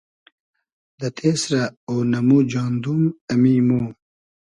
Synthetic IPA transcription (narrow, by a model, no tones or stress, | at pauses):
d̪ɐt̪ʰeːsɾaoːnɐmud͡ʑɑːnd̪umɐmimuː